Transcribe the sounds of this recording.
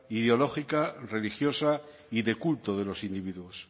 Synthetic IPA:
iðeo̞lo̞xikare̞lixjo̞sa | iðe̞kult̪oð̞elo̞sind̪iβiðuos

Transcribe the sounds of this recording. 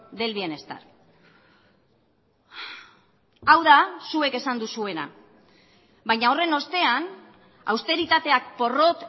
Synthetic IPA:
d̪e̞lβie̞ne̞st̪a̰ɾ | awðasue̞ke̞sand̪usue̞na̰ | βajɲao̞re̞no̞st̪e̞an | a̰wst̪e̞ɾit̪at̪e̞ak̚po̞ro̞t̪

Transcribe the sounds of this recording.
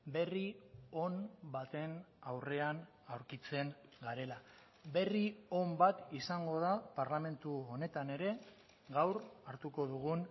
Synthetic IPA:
be̞rio̞nbat̪e̞nawre̞an | awɾkit͡se̞ŋɡaɾe̞la | be̞rio̞mbat̪isaŋɡo̞ðapaɾlame̞nt̪uo̞ne̞t̪ane̞ɾe̞ | ɣawɾaɾt̪uko̞ðuɣ̞un

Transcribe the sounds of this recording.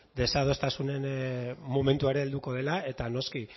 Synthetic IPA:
d̪e̞sað̞o̞st̪asune̞nmo̞me̞nt̪ueɾe̞ːld̪uko̞ðe̞lae̞t̪ano̞ski

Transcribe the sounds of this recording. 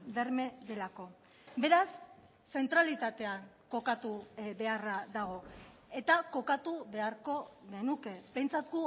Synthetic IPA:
ðeɾme̞ðe̞lako̞ | be̞ɾasː | e̞nt̪ɾalit̪at̪e̞aŋko̞kat̪uβe̞araðaɣo̞ | e̞t̪ako̞kat̪uβe̞aɾko̞ɣe̞nuke̞be̞jnt͡sat̪ɡu

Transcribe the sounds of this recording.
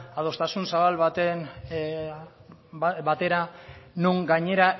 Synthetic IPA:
að̞o̞st̪asunsaβalβat̪en | βat̪e̞ɾanuŋɡaɲe̞ɾa

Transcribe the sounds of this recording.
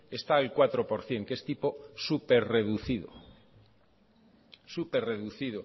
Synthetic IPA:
e̞st̪aelkwat̪ɾopoɾθje̞ŋkest̪ipo̞supeɾreðuθiðo̰ | supeɾre̞ðuθiðo

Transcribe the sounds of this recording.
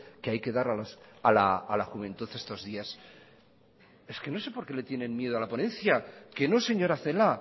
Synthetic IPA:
keajke̞ðaɾalosalaːlaxuβ̞ẽ̞nt̪uθe̞st̪o̞zðias | e̞ske̞no̞se̞po̞ɾke̞le̞t̪je̞nẽ̞nmje̞ð̞oalapo̞nẽ̞nθjake̞no̞se̞ɲo̞ɾaθe̞la

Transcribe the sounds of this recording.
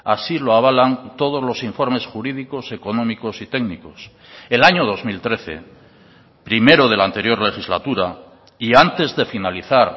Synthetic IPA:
asiloaβ̞alant̪o̞ð̞o̞zlo̞siɱfo̞ɾme̞sxuɾiðiko̞se̞ko̞nõ̞miko̞sit̪e̞ɡniko̞s | elaɲo̞ð̞o̞zmilt̪ɾe̞θe̞̰ | pɾime̞ɾo̞ð̞e̞lant̪e̞ɾjo̞ɾle̞xizla̰t̪uɾa | iant̪e̞zðe̞finaliθaɾ

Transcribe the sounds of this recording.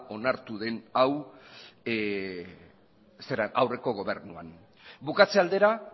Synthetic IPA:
o̞naɾt̪uðe̞naw | seɾaawre̞ko̞ɣ̞o̞βe̞ɾnua̰n | bukat͡se̞ald̪e̞ɾa

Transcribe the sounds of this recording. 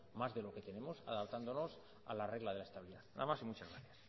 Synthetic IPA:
mazðe̞lo̞ket̪e̞nẽ̞mosa̰ðap̚t̪and̪onos | a̰lare̞ɣlaðelaest̪aβiliðaθnamasimut͡ʃazɣɾaθjas

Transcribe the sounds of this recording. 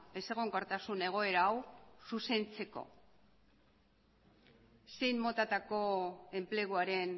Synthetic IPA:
e̞se̞ɣ̞oŋɡaɾt̪asune̞ɣ̞o̞e̞ɾaːwsuse̞nt͡se̞ko̞̰ | se̞jmmo̞t̪at̪ako̞e̞mple̞ɣ̞uaɾe̞n

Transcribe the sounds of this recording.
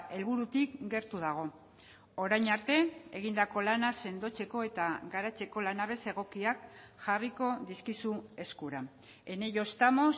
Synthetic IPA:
e̞lβuɾut̪ikɡe̞ɾt̪uð̞aɣ̞o̞ | oɾajɲaɾt̪e̞eɣ̞ind̪ako̞lanase̞nd̪o̞t͡se̞ko̞e̞t̪aɡaɾat͡se̞ko̞lanaβe̞se̞ɣ̞o̞kiak̚ | ʝariko̞ðiskisue̞skuɾa | e̞ne̞jo̞st̪amo̞s

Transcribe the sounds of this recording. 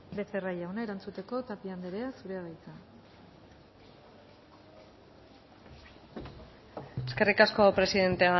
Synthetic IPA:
be̞ferajawnae̞ɾant͡sut̪e̞ko̞t̪apiand̪eɾeasuɾe̞aɣajt͡sa | eske̞rikasko̞pɾe̞siðe̞nt̪ea

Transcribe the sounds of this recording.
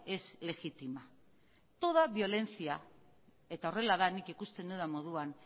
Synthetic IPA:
e̞sle̞ɣit̪ima | t̪o̞ð̞aβio̞le̞nt͡sia | e̞t̪ao̞re̞laðanikikust̪e̞nd̪uðamo̞ð̞uan

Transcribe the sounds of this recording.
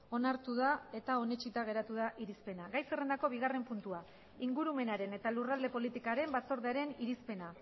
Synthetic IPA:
o̞naɾt̪uð̞ae̞t̪ao̞ne̞t͡ʃit̪aɣ̞e̞ɾat̪uðaʔiɾispe̞naɣajsere̞nd̪ako̞β̞iɣare̞mpunt̪ua | iŋɡuɾume̞naɾe̞ne̞t̪alurald̪e̞po̞lit̪ikaɾe̞mbat͡so̞ɾðeaɾe̞niɾispe̞na

